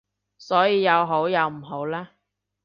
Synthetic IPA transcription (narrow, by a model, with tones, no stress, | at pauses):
sɔː˨˥jiː˧jɐ˨˧wɦo˨˥wjɐ˨˧wm̩˨˩ɦo˨˥wlaː˥